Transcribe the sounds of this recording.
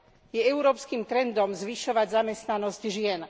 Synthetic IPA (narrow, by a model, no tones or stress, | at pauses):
jɛɛʊɾɔːpskiːmt̪ɾɛnd̪ɔmzʋiʃɔʋaɟzamɛst̪nanɔzɟʒɪɛn